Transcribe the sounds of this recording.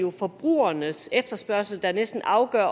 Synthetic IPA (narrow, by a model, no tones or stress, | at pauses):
o̝fɒ̽b̥ʁṵːɐnəsefd̥ɐsb̥ɶɐsl̩d̥ɑ̈nesd̥n̩ʔɑ̈ʊɡ̥ɶɐ̰